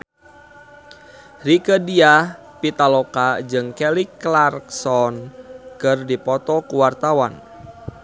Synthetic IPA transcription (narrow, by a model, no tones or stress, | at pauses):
rikədiah | pit̪alɔkad͡ʒɨŋkeliklarksɔnkɨrdipɔt̪ɔkuwart̪awa̰n